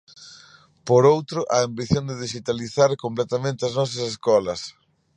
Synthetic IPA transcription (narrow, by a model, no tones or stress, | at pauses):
poɾowt̪ɾʊʔaambiθjõnd̪eðiʃit̪aliθaɾkomplɛt̪amẽnt̪eɐznɔs̬ɐseskɔlɐs